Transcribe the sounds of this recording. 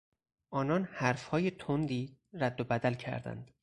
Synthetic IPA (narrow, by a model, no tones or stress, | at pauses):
ʔɒːnɒːnhæɾfhɒːjet̪ʰond̪iːɾæd̪ːobæd̪ælcʰæ̰ɾd̪æ̰nd̪̥